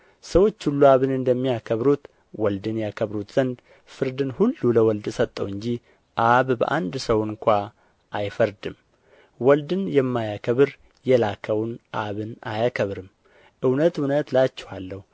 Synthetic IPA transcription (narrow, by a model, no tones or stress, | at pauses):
səwo̞t͡ʃːhulːuaβɨnɨnd̪əmːijakʰəβɾut̪ | wɔld̪ɨnjakʰəβɾut̪z̥ənd̪ | fɨɾd̪ɨnhulːuləwɔld̪sət̪ʼːəwɨɲd͡ʒi | ʔaβbə̰ʔand̪səwɨnkʷa | ʔajfəɾd̪ɨm | wɔld̪ɨnjɛmːajakʰəβɨɾ | jɛlakʰəwnʔaβɨna̰jakʰəβɾɨm | ʔɨwnət̪unət̪lat͡ʃːɛ̥halːəhu